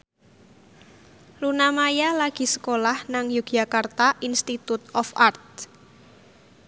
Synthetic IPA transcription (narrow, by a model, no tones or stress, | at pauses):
lunamajalaɡ̥i̤sə̥kolahnaŋjuɡ̥jakart̪aʔinst̪it̪ut̪̚ɔfart̪̚